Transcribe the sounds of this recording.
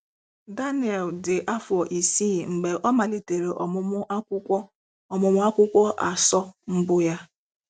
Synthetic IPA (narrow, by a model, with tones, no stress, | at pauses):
da˦nɪ˨ɛ˨ldɪ˨ʔa˦fɔ˨ʔi˨si˦˨ŋ͡m̩˨ɡ͡be˨ʔɔ˦ma˨li˨te˨ɾe˨ʔɔ˨˦ | ɔ˨mʊ˨mʊ˦a˦kʷʊ˦kʷɔ˦ʔa˨sɔ˦m̩˦bʊ˦ja˦